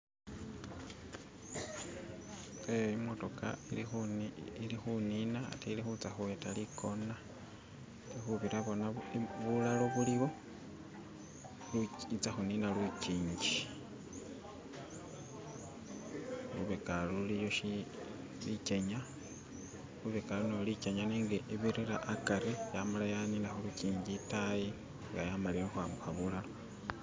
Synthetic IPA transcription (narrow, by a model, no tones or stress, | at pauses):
eimo̞to̞ka̰ilixilixuninaa̰tʰeilixut͡saxuwetalikʰo̞na | lixuβiɾaβonaβulalo̞βuliβo̞ | it͡saxuninalwiciːɲd͡ʒi | luβekalulijo̞ʃi | liceɲa | luβekalunolicaɲaniːŋɡeʔiβiɾiɾaʔːkaɾejamalajaninaxuluciːɲɟitaji | ŋɡajamaliɾexwaːmbuxaβulalo̞